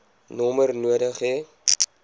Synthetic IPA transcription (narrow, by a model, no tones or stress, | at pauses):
nɔmərnuədəχe